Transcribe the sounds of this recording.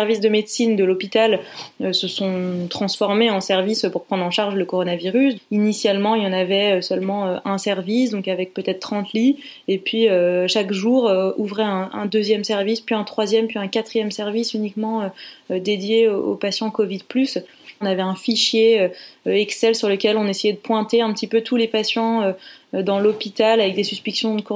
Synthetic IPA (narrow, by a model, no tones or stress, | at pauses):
sɛʁvisd̪əmed̪sind̪əlɔpit̪aløsəsɔ̃t̪χɑ̃sfɔʁmeɑ̃sɛʁvispuʁpχɑ̃d̪ʁɑ̃ʃaʁʒləkɔʁɔnaviʁysinisjalmɑ̃ilɑ̃navɛøsœlmɑ̃øʔɛ̃sɛʁvisd̪ɔ̃kavɛk̚pøt̪ɛt̪χt̪ːχɑ̃t̪li | epɥiøʃakʒuʁøuvʁɛɛ̃ʔɛ̰̃d̪øzjɛmsɛʁvispɥiɛ̃t̪χwazjɛmpɥiɛ̃kat̪χijɛmsɛʁvisynikmɑ̃ød̪ed̪jeoopasjɑ̃kɔvid̪plys | navɛɛ̃fiʃjeøøɛksɛlsyʁləkʲɛlɔ̃nesejɛd̪əpwɛ̃t̪eɛ̃pət̪ipøt̪ʰulepasjɑ̃ød̪ɑ̃lɔpit̪alavɛk̚d̪esyspiksjɔ̃d̪əkɔ